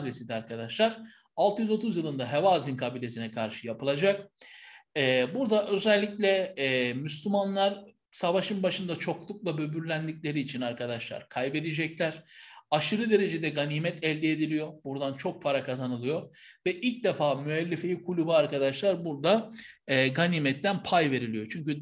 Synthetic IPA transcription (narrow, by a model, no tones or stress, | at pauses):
zvesid̪iaɾkʰad̪aʃlˠaɾ̥ | alˠt̪ɯjyzo̞t̪ʰuzjɯlˠɯnd̪aɦevaːzinkʰabilʲe̞sinɛkʰaɾʃɯjapɯlˠad͡ʒak̚ | ɛːbuɾd̪aʔø̞zɛlʲːiclʲɛːmys̬lʲymanlˠaɾ | savaʃɯnbaʃɯnd̪at͡ʃʰo̞klˠuk̚lˠabø̞byɾlʲænd̪icʲlʲe̞ɾiːt͡ʃʰinaɾkʰad̪aʃlˠa̰ɾkʰajbe̞d̪id͡ʒɛclʲæɾ̥aʃɯɾɯd̪e̞ɾe̞d͡ʒed̪ɛɡaniːmɛt̪ʰɛlʲd̪ɛed̪ilʲijo̞buɾd̪ant͡ʃʰo̞k̚pʰaɾakʰazanɯlˠɯjo̞vɛʔilʲc̚d̪efaːmyɛlʲːefejikʰulʲubuaɾkad̪aʃlˠaɾbuɾd̪aː | ɡanimɛt̪ʰːænpʰajve̞ɾilʲijo̞t͡ʃʰyɲcy